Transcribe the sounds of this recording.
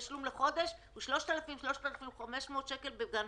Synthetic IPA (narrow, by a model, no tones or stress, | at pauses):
ʃlumleχo̞d̪e̞ʃhuʃlo̞ʃt̪alafimʃlo̞ʃt̪alafimχame̞ʃmo̞ːt̪ʃeke̞lbeɡan